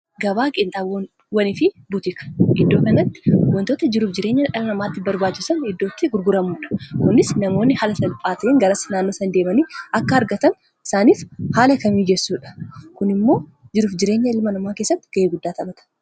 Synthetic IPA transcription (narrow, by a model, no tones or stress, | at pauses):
ɡɐbaːkʼɪnt̪ʼaːw | wɐnɪfɪ | bʊt̪ɪkɐ̥ʔɪd̪ːo̞ːkɐnɐt̪ːɪ̥wɔnt̪oːt̪ɐd͡ʒɪɾuːfd͡ʒɪɾe̞ːɲːɐʔɐlɐnɐmaːt̪ːɪbɐɾbaːt͡ʃːɪsɐnɪd̪ːoːt̪ːɪɡʊɾɡʊɾɐmuːᶑɐ̥kʊnɪsnɐmoːnːɪhaːlɐsɐlpʼaːt̪ɐʔeːŋɡɐɾɐsɐnaːnːo̞ːsɐnd̪eːmɐniːʔɐkːɐɐɾɡɐt̪ɐn | ɪsaːniːfhaːlɐkɐmiːd͡ʒɛsːuːᶑɐ̥kʊnɪmːo̞ː | d͡ʒɪɾuːfd͡ʒɪɾe̞ːɲːɐɪlmɐnɐmaːkeːsːɐt̪ːɪ̥ɡ̥ɐʔeːɡʊd̪ːaːt̪ɐbɐt̪ɐ̥